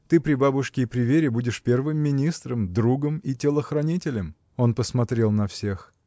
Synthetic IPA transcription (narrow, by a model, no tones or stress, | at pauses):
t̪ɨpɾʲɪbabʊʂkʲɪːpɾʲɪvʲeɾʲɪbudʲɪʂpʲe̞rvɨmːʲɪnʲist̪ɾəmd̪ɾuɡəmitʲɪlˠəxɾɐnʲitʲɪlʲɪm | o̞npəsmɐt̪ɾʲe̞lˠnɐfsʲex